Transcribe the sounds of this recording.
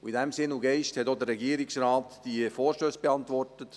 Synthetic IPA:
uidæmsɪnuɡɛɪʃthɛtod̪əɾrːɛɡiːɾɪksɾɑːt̪d̥ifoːɾʃtøːsb̥eɑnt̪ʋɔrtət

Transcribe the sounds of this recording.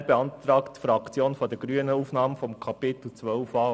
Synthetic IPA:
beɑntɾɑːktːfɾɑkt͡sjoːnfɔdəɡ̥ɾyənəuːfnɑːməfɔmkʰɑpɪt̪l̩t͡sʋœʊfɑː

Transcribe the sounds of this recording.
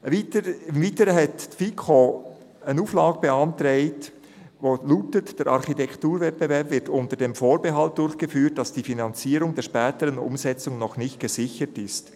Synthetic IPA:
iɪmviːtəɾəɦɛtfikʰo | ənuːflɑːɡəbeɑntɾeɪt | voːluːtətd̥ɛːɾʔɑ̰ɾχitɛktuːɾvɛt̚b̥evɛɾpvɪɾtʊntədeːmfoːɾbeɦɑlt̚d̥ʊɾçɡ̥əfyːt̚d̥ɑsd̥iːfinɑnt͡siːɾʊŋdeɛːʃpɛːtəɾənʊ̰mzɛt͡sʊŋnɔχnɪçt̚ɡ̥əzɪçətɪst

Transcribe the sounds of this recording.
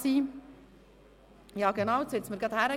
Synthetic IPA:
siː | jɑːɡənɑʊtsɪt͡sməɾɡɑt̪hæɾə

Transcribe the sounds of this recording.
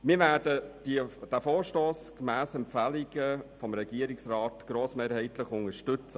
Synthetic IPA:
miːɾvʋæːɾdəd̥id̥æːfoːɾʃtoːskmæːsɛmpfæliɡəfɔmɾɛɡ̥iəɾɪksrɑːt̪ɡ̥ɾoːsmeːɾhɛɪtləχʊŋəʃtʏt͡sə

